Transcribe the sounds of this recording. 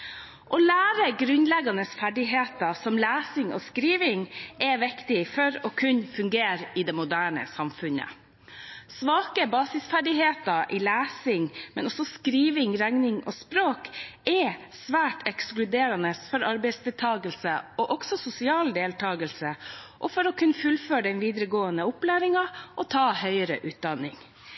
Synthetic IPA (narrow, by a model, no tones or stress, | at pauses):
ʔɔːlæːɾəɡɾʉnlɛɡɑnəsfæɖɪɦeːt̪ɑsɔmlæːsɪŋoːskɾiːʋɪŋɛʋɪkt̪ɪfɔɾɔːkʰʉnfʉŋɡeːɾɪd̪ɛmʊd̪æːɳə̰sɑmfʉnə̰ | sʋɑːkəbɑːsɪsfæɖɪheːt̪ɑʔɪlæːsɪŋmɛnɔsɔskɾiːʋɪŋɾæŋnɪŋʔoːspɾoːkɛ | sʋæːʈʰɛksklʉd̪eːɾɑnəsfɔɾɑɾbɛɪsd̪ɛlt̪ʰɑːɡəlsəɔʔɔɡ̥sɔsʊsɪɑːld̪eːlt̪ʰɑːɡəlsəʔɔfɔɾɔkʰʉnfʉlføːɖ̪ɛnʋiːd̪ɾəɡoːənəʊplæːɾɪŋɑʔɔt̪ʰɑːhœʏəɾə̰ʔʉːt̪̚d̪ɑnɪŋ